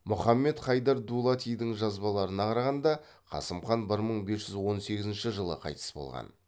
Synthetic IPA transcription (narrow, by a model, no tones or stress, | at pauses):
mʊχɑmːe̞t̪χɑjd̪ɑɾd̪ulˠɑt̪ijd̪ɪŋʒɑzbɑlˠɑɾənɑqʰɑɾɑʁɑnd̪ɑqʰɑ̰səmχɑnbɪɾməɴbe̞sʒ̥ʏzwo̞nse̞ɡʲɪzɪnʃɪʒəlˠə̰qʰɑ̰jt̪ə̥sbo̞̰lˠʁɑ̰n